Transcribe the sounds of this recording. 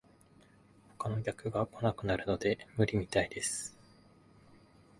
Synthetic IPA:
ho̞̥kano̞ɡʲakɯ̟ɡako̞nakɯ̟naɾɯ̟no̞d̪e̞mɯ̟ɾʲimʲit̪aid̪e̞sɨ̥

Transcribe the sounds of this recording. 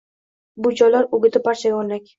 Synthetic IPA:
bʊd͡ʒɒjlaɾʊɡʲɪt̪ʰɪpaɾt͡ʃʰaɡʲonlakʲ

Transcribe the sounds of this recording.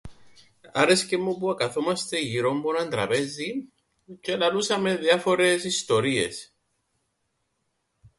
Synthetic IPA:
aɾe̞scemːupuakaθomɐst̪eʝiɾo̞mbonand̪ɾɐpe̞zi | celalusɐmeðjafoɾe̞sist̪o̞ɾie̞̰s

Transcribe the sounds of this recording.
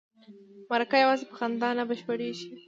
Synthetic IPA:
maɾakajawɑzepəxand̪ɑnabəʃpəɽeʃi

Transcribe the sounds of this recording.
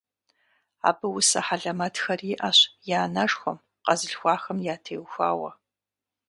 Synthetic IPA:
a̰ːbɨwʊsɐħaɮɐmɐtʰxɐriʔɐɕjaːnɐʂxʷɔ̰m | qɐzɨɬxʷɑːxɐmjaːtʰeːwxʷa̰ːwɐ̰

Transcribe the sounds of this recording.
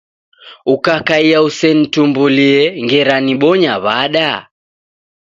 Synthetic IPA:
ukakaiausɛnitumbuliɛŋɡɛɾaniɓɔɲaβaɗa

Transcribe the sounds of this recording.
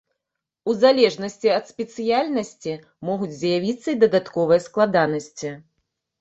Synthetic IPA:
uzalʲɛʐnɐsʲt͡sʲiɐt̪spʲɛt̪sɨjalʲnɐsʲt͡sʲi | mɔɣud͡zʲzjavʲit̪sːɐid̪ɐd̪at̪kɔvɨjɐsklˠad̪anɐsʲt͡sʲi

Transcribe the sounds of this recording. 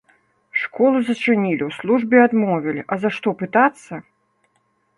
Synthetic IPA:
ʂkɔlˠuzɐt͡ʂɨnʲilʲiwslˠuʐbʲɛad̪mɔvʲilʲiʔɐzaʂt̪ɔpɨt̪at̪sːɐ

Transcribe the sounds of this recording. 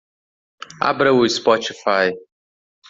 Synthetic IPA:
a̰bɾawuspɔtɪfaj

